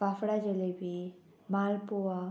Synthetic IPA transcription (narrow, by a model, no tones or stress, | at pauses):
kaːfɽad͡ʒelebʱi | maːlpua